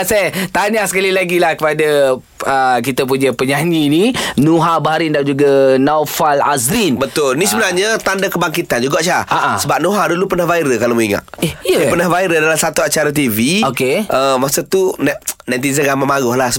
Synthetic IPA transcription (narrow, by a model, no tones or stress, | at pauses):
sat̪aɲahsə̥kalilaɡilahkəpada | əkit̪əp̬uɲəpəɲaɲininuɦabaɦaɾɪndand͡ʒuɡanawfala̰zɾinbət̪ʊlnisəbənarɲat̪andakəbaŋkit̪and͡ʒuɡaʔt͡ʃaaaʔasəbap̚nuɦadulupərnahvaiɾəkalomuiŋa̰tɛiəupərnahvaiɾədalamsat̪uat͡ʃaɾat̪̬iviokeʔəmasat̪unnãt̪̬izaɡamamaɡʊhlahsə